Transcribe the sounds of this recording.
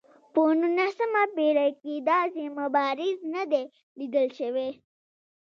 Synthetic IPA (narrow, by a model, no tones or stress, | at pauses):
ponunasəmabeɾakid̪ɑzimabɑɾɪznad̪e | lid̪əlʃəwe